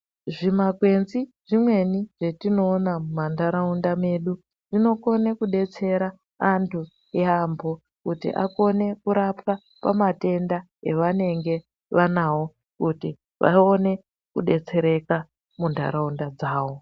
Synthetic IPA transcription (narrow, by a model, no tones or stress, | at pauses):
ʐimakwe̞nziʐimwe̞niʐ̥e̞tino̞ːnamumandʱaɾaundame̞ɗu | ʐino̞ko̞ne̞kuɗe̞t͡se̞ɾa | antʰu | jeambʱo̞ | kutḭʔa̰ko̞ne̞kuɾapka | pamate̞nda | ḛʋane̞ŋɡe̞ | ʋanawo̞ | kuti | ʋʔa̰o̞ne̞ | kuɗe̞t͡se̞ɾe̞ka | mundʱa̰ɾaundad͡zaːwo̞